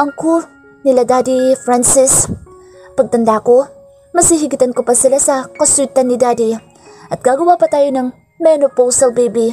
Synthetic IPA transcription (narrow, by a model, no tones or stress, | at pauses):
ʔɐŋku | nilad̪ad̪ifɾansɪs | pɐɡ̚t̪ɐnd̪ako | mɐsiɦiɡɪt̪ɐnkʊpɐsilasɐkɐsuɪt̪ɐnːid̪ad̪i | ʔɐt̪̚ɡ̥aɡuwapɐt̪ajnɐŋ | mɛnopowsɐlbejbi